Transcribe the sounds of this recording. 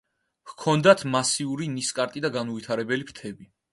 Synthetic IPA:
vkʰɔnd̪at̪ʰmasiuɾiniskʼaɾt̪ʼid̪aɡanɔvit̪ʰaɾɛbɛlipɾt̪ʰɛbi

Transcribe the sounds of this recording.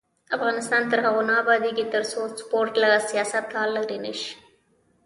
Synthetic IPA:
afɣɑnɪst̪ɑːnt̪əɾɦaɣonaːbɑd̪iket̪əɾsospoɾʈlaɣasijɑsɐt̪hɑlːaɾinəʃ

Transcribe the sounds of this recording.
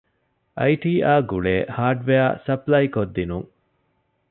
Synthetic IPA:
ʔɐjʈiːaːɡuɭeːhaːɖʋeaːsɐplɐjkod̪ːinuŋ

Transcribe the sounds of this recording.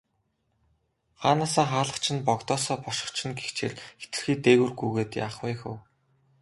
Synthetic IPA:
χaːnaːsaːχaːɮə̆χt͡ɕʰɪ̆npɔkt̪ɔːsɔːpɔʃɪ̆χt͡ɕʰɪ̆nɡext͡ɕʰḛɮxe̥t̪ɘ̆rxiːt̪eːɣɘ̆rɡujɣeːt̪ja̰ːχwæːxʊ̰̆w

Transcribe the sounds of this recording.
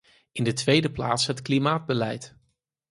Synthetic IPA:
ɪndətʋejdəpla̰ːtsɦətklimaːd̚bəlɛjt

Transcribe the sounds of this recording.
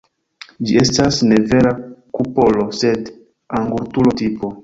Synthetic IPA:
d͡ʒie̞stasne̞ve̞ɾakupo̞lose̞d | aŋɡuɾtulo̞tipo̞

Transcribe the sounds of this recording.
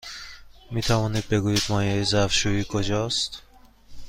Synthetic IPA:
mit̪ʰavɔnid̪̚beɡujid̪mɔjeizafʃuikʰod͡ʒɔst̪

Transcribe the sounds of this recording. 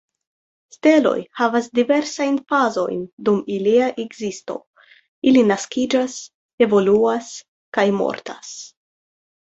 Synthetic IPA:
ste̞lo̞̰jhavasdive̞ɾsajnfazo̞̰jndumiliaʔeɡzisto̞̰ | ilinaskid͡ʒas | e̞vo̞luas | kajmo̞̰ɾtas

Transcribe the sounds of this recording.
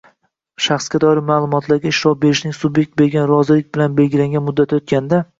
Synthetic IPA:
ʃaχskʲad̪ɒɾɪmaːlˠʊmɒt̪ʰlaɾɡʲaɪʃɾɒp̚be̞ɾɪʃnɪŋsʊbje̞k̚ʲt̪̚be̞ɾɡʲanɾɒzɪlɪk̚ʲt̪̚bɪlanbe̞lɡʲɪlaŋʲɡʲanmʊd̪ːat̪ʰɪot̪̚kʲand̪a

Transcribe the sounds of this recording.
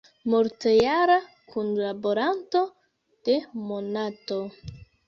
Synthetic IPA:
moɾtejaɾa | kunlaboɾanto̞ | d̥e̞mo̞nato̞

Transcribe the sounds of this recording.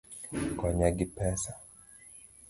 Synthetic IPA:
kwaɲaɡipɛsḁ

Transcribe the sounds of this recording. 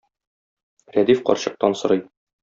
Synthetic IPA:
ɾæd̪ifqɒ̰ɾɕɤ̆q̚t̪ɑnsɤ̆ɾɤj

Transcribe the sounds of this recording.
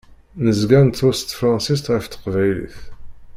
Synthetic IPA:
nəzɡænt̪ːʊst̪fɾˤɑnsis̬t̪ʁəft̪ːə̥qvæjlḭθ

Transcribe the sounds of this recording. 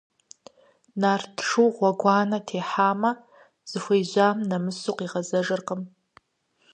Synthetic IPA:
naːrtʰʂuwʁʷɔɡʷɑːnɐtʰeːħaːmɐ | z̥ɨxʷejʑʷaːmnɐmɨsuqiːʁɐzɐʐɨrqəm

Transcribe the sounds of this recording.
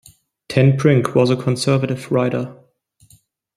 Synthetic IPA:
tʰɛ̃npʰɹɪ̃ŋkʰwʌzəkʰə̃nsɜ˞vəɾɨv̥ɹaɪɾə̰˞

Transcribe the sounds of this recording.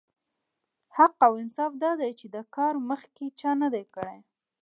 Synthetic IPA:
haqawɪnsɑfd̪ɑd̪ajt͡ʃed̪əkɑɾməxket͡ʃɑnad̪ajkəɽe

